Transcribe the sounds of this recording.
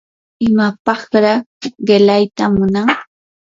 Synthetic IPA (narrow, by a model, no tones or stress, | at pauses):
ɪmapɑχɾɑɢelajt̪amʊnaŋ